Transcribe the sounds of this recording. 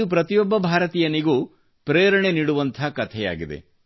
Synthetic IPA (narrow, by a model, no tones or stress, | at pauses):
upɾɐt̪ijɔbːɐbʱaːɾɐt̪iːjɐniɡu | pɾeːɾɐɳeniːɽuʋɐnt̪ʰɐkɐt̪ʰɛja̰ːɡid̪e̞̰